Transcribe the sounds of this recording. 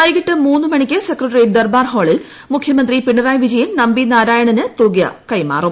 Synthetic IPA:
ɐjkɐʈːɨmuːnːɨmɐɳikʲːɨsekrɐʈriːʈ̚d̪ɐrbaːrɦo̞ːɭil | mukʰjɐmɐnd̪ripiɳːɖɐraːjʋid͡ʑɐjimnɐmbinaːɾaːjɐɳɐnɨt̪uːɡjɐ̰kɐjma̰ːrum

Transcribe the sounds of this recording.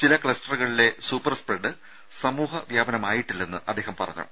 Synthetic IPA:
t͡ɕilɐkɭɐsʈɐrɣɐɭile̞suːpːɐrspreɖɨ | sɐmuːɦɐʋjaːbɐnɐmaːjiʈːilːɐenːɨʔɐd̪ːeːhɐmpɐrɐ̰ɲːɐ̰ɐ̰m

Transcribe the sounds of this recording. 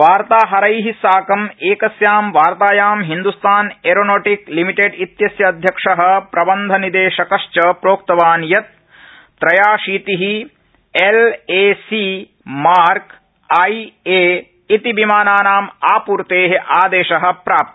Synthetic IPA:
ʋaːɾt̪aːɦɐɾɐjɦisaːkɐmeːkɐsjaːmʋaːɾt̪aːjaːmɦind̪ust̪ʰaːneɾonoːʈiklimiʈeɖit̪jɐsjɐːd̪ʱjɐkʂɐɦɐ̆pɾɐbɐnd̪ʱɐnid̪eːʃɐkɐʃt͡ʃɐpɾoːk̚t̪ɐʋaːnjɐt̪̚ː | ɾɐjaːʂiːt̪iɦi | eleːsi | maːɾk | ɐjeː | it̪ibimaːnaːnaːmaːpuːɾt̪eːɦeʔaːd̪eːʃɐɦɐ̆pɾaːp̚t̪i

